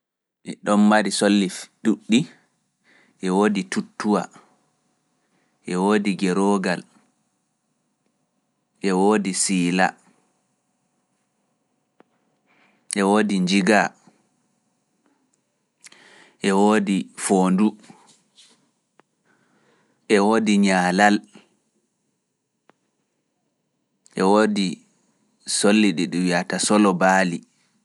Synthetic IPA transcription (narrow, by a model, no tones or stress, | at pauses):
ʔɛɗɔnmaɾisolːifduɗːi | ʔɛwoːditutːuwa̰ | ʔɛwoːdiɡɛɾɔɡal | ʔɛwoːdisiːla̰ | ʔɛwoːdiɲd͡ʒiɡa | ʔɛwoːdifoːndu | ʔɛwoːdiɲaːlal | ʔɛwoːdi | solːiɗiɗuwiatasɔlɔbaːli